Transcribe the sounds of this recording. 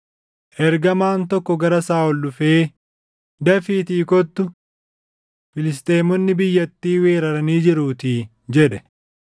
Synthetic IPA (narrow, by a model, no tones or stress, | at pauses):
ʔɛɾɡɐmaːnt̪ɔkːɔɡɐɾɐsaːɔlɗʊfeː | d̪ɐfiːt̪iːkɔt̪ːʊ | fɪlɪs̬t̪eːmɔnːɪbɪjːɐt̪ːiːwe̞ːɾɐɾɐniːd͡ʒɪɾuːt̪iː | d͡ʒɛᶑɛ̥